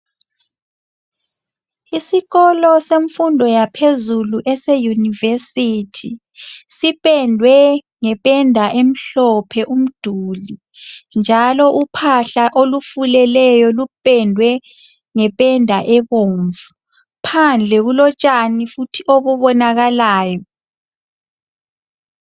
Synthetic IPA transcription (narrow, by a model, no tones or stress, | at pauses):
isiɣɔlɔseɱfundʱɔjapʰezuluʔɛsɛjunivesitʰi | sipʼɛndʱwɛ | ŋɛpʼɛndʱaʔem̩ɬɔpʰɛʔum̩d̥ʱuli | nd͡ʒʱalɔʔupʰaɬaʔolufulɛlɛjɔlupʼɛndʱwɛ | ŋɛpʼɛndʱaʔɛβoːɱvu | pʰand͡ɮʱɛɣulɔt͡ʃʼanifutʰiʔoβuβɔnaɣalaːjɔ